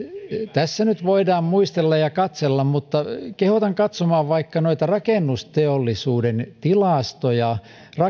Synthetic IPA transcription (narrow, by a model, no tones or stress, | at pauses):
t̪æsːænyt̪ʋoidɑːmmuist̪elːɑjɑkɑt̪selːɑmmut̪ːɑkehot̪ɑŋkɑt̪somɑːʋʋɑikːɑnoit̪ɑrɑkeˑnːust̪eolːisuːdent̪ilɑˑst̪ojɑ | rɑ